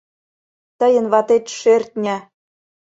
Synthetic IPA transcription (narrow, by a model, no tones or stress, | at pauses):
t̪əjə̆nβɑt̪et̪ʃert̪̚ʲnʲæ